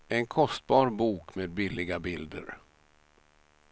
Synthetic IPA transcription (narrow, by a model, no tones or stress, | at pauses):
ɛnkʰɔst̪̚bɑːɾbuːkmeːd̪̚bɪlːɪɡabɪld̪ə̰ɾ